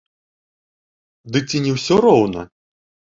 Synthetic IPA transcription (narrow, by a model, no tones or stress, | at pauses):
d̪ɨk̚t͡sʲinʲɛwsʲɔɾɔwnɐ̰